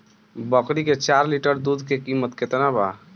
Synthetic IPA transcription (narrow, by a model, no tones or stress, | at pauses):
bəkɾiket͡ʃaɾliʈəɾd̪ud̪ʱkekimət̪ket̪naba̰